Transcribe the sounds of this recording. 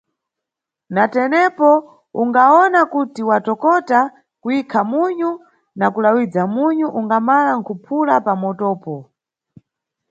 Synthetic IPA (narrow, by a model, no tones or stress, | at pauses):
natɛnɛpɔ | uŋɡaɔnakutiwatɔkɔta | kuikʰamuɲu | nakulawid͡zamuɲuʔuŋɡamalaŋ̩kʰupʰulapamɔtɔːpɔ